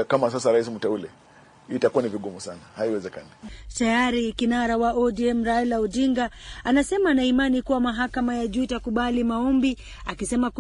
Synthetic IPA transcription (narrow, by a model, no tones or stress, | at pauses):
kamasasaɾais̬imutaulɛ | itakuwaniviɠumusanahaiwɛzɛkanitajaɾikinaɾawaʔɔdiɛm̩ɾailaudiŋɡaːnasɛmanaimanikuwamaɦakamajaʄuːitakuɓalimaɔmbi | akisɛma